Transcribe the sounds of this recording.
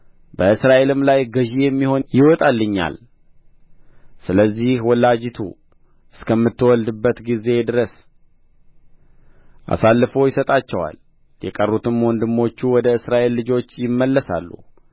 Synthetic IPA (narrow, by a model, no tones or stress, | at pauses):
bəɨsɾaʔe̞lɨmlajɡəʒijɛmːiho̞njɪwɔt̪ʼalːɨɲːa̰l | sɨləzːihwɔlːad͡ʒit̪ʰṵ | ɨskʰəmːɨt̪ːɨwɔld̪ɨbːət̪ɡize̞d̪ɨɾəs | ʔa̰salːɨfo̞jɪsət̪ʼat͡ʃːɛwa̰l | jɛkʼərːut̪ʰɨmwɔnd̪ɨmːo̞t͡ʃːuwɔd̪əɨsɾaʔe̞lːɨd͡ʒo̞t͡ʃːjɪmːəlːəsa̰lːṵ